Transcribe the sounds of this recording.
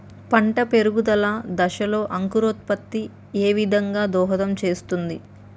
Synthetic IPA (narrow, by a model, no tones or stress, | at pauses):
pɐɳʈɐpe̞ɾuɡud̪ɐlaːd̪ɐʃɐlo̞ːʔɐŋkuɾoːt̪̚pɐt̪ːi | eːʋid̪ʱɐŋɡaːd̪ɔːɦɐd̪ɐmt͡ʃe̞ːst̪und̪i